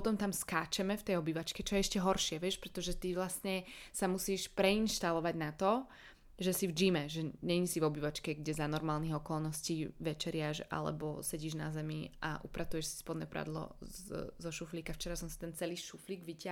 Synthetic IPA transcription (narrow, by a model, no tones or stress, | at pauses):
pɔt̪ɔmt̪amskaːt͡ʃɛmɛft̪ɛjɔbiːʋat͡ʃkɛt͡ʃɔjɛɛʃcɛɦɔɾʃɪɛʋɪɛʃpɾɛt̪ɔʒɛt̪iʋlasɲɛsamusiːʃpɾɛinʃt̪alɔʋaɟnat̪ɔ | ʒɛsivd͡ʒimɛʒɛɲɛɲisivɔbiːʋat͡ʃkɛɡɟɛzanɔɾmaːlniɣɔkɔlˠnɔsciːʋɛt͡ʃɛɾɪaʒa̰lɛ̰bɔ̰sɛɟiːʒnazɛmiʔa̰ʔṵpɾat̪ujɛʃsi̥spɔd̪nɛːpɾa̰d̪lɔ̰zɔʃufliːkaft͡ʃɛɾasɔmsat̪ɛnt͡sɛliːʃufliːɡʋicɪa